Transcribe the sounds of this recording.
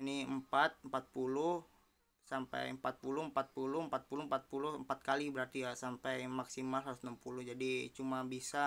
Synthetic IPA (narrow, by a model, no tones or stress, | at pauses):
iniəmpat̪̚əmpat̪̚puluh | sampɛ̰jəmpat̪̚pulʊəmpat̪̚pulʊmpat̪̚pulumpat̪̚puluhəmpat̪̚kalibəɾart̪ijasampɛjmaksimalɦausnampulud͡ʒadit͡ʃumabisa